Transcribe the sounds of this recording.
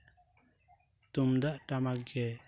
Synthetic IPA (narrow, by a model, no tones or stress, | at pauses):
t̪umd̪aʔʈamakɡɛ